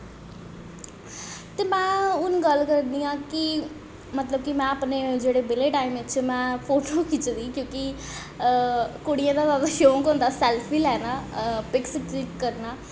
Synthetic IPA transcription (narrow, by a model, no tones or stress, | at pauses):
t̪eːmɛ̃ːʊnɡəlkəɾnd̪iːãːkɪ | mət̪ləbkimɛ̃ːəpneːd͡ʒeːɽeːbɪleːʈaːimɪt͡ʃmɛ̃ːpʰoːʈoːkɪt͡ʃd̪iːkjõːki | kʊɽɪjãːd̪aːt̪aːd̪aːʃõːŋkõːnd̪aːsɛːlpʰiːlɛːnaːpɪkskɾikːəɾnaː